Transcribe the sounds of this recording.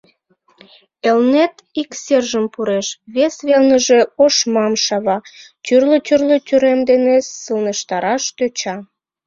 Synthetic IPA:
elnet̪ | ikserʒəmpuɾeʃβesβelnəʒe̽oʃmɑmʃɑβɑt̪ʲyrlət̪ʲyrløt̪yɾemd̪enessəlnəʃt̪ɑɾɑʃt̪øt͡ɕɑ

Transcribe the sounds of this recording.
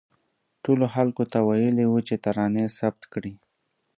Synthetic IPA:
ʈoloxalkot̪awajəliwut͡ʃet̪aɾɑnesab̚t̪kɽi

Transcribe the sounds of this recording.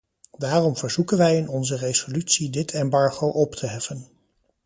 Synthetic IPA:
daːrɔmv̥əɹz̥ukənʋɛjɪnɔnzərezolytsidɪtʰɛmbɑɹχowʔɔptʰəɦɛfən

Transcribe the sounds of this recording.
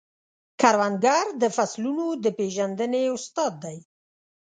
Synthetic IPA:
kaɾwanɡaɾd̪əfaslunod̪əpeʒand̪əneʊst̪ɑd̪ːaj

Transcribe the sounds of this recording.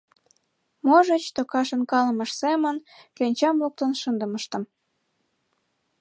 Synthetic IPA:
moʒət͡ɕt̪okɑʃənkɑləməʃsemənkønʲt͡ɕɑmluk̚t̪ənʃənd̪ə̆məʃt̪ə̆m

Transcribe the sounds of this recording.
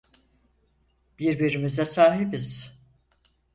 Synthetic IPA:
b̥iɾbiɾimizɛsaːɦibiz̥

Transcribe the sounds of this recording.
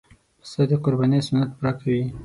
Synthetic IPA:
sad̪eqʊɾbɑnesʊnat̪̚pɾɑkawi

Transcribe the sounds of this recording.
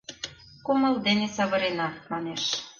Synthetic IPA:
kumɤ̆ld̪enesɑβɤ̆ɾenɑmɑneʃ

